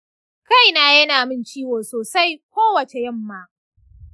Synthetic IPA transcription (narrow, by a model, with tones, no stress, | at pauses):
ka˦˨jnaː˦jɐ˦naː˨mɪ˦nt͡ʃiː˦woː˨soː˨sa˦jkʷoː˦wɐ˨t͡ʃe˨jɐ˦˨mːaː˦